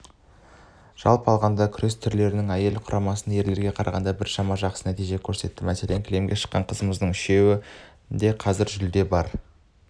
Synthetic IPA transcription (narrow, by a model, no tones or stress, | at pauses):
ʒ̥ɑ̰lˠpɑlˠʁɑnd̪ɑkʲʰʏɾe̞st̪ʰʏɾle̞ɾɪnɪŋæje̞lqʰʊɾʔɑmɑsənje̞ɾle̞ɾɡʲe̞qʰɑɾɑ̰ʁɑnd̪ɑbɪɾʃɑmɑʒɑqsənæt̪ijʒe̞kʲʰɵɾse̞t̪ːɪmæse̞leŋkʲʰle̞mɡʲe̞ʃə̥qːɑ̰ɴqʰəzəməzd̪əɴʏʃe̞wɪ | d̪e̞qʰɑzɪɾʒʏld̪e̞bɑɾ